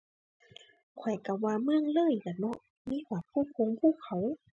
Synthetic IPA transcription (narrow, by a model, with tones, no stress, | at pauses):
kʰɔ˨˩jka˧˩waː˧mɯ˧˩əŋlɤː˧˥˨jka˨˩nɔ˧˥ʔ | miː˧˥˨waː˧˩pʰuː˧˥˨kʰo˧ŋpʰuː˧˥˨kʰa˧˩˦w